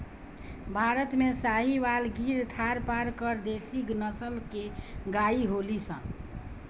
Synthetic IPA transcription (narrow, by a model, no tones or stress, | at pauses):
bʱaɾət̪mesaɦibalɡʱiɾt̪ʰaɾpaɾkəɾd̪esiknəsəlkeɡaiɦolisə̰̃